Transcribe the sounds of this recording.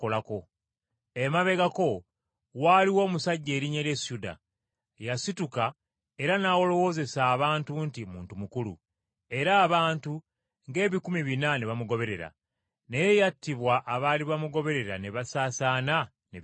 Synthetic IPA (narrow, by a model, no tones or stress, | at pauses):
olako | emaβe̞ɡako̞ | waliwo̞ːmusaɟːeːɾiɲeɾjesjuda̰ | jasituka | e̞ɾanawo̞lo̞wo̞ːze̞saːβaːntuntimṵːntumukulṵ | e̞ɾaːβaːntu | ŋɡe̞ːβikumiβinaneβamuɡo̞βe̞ɾe̞ɾa̰ | neje̞jatːiβwaʔːβaliβamuɡo̞βe̞ɾe̞ɾa̰neβasaːsaːna | ne